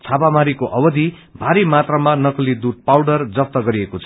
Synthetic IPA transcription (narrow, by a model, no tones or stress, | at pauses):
t͡sʰapamaɾikoʔʌbʌd̪ʱi | bʱaɾimat̪ramanʌkʌlid̪ud̪̚pawɽʌrd͡zʌp̚t̪ʌɡʌɾiekot͡sʰʌ